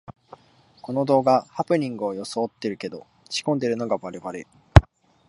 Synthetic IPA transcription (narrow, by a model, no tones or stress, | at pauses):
ko̞no̞d̪o̞ːɡahapɯ̟ɲ̟ĩŋɡɯ̟ojo̞soːt̪ːe̞ɾɯ̟ke̞d̪o̞ | t͡ɕi̥kõ̞nd̪e̞ɾɯ̟no̞ɡaβaɾe̞βaɾe